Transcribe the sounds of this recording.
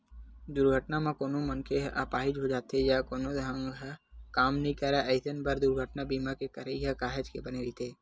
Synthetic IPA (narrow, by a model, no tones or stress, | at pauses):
d̪ʊɾɡʱəʈnamãkoːnomənkeɦʔaːpaːɦid͡ʒɦod͡ʒaːt̪ejakoːnod̪ɦãŋɡɦkaːmnĩkəɾɛʔəɪsənbəɾd̪ʊɾɡʱəʈnabiːmakekɐɾejakaːɦed͡ʒkebənelit̪ʰeː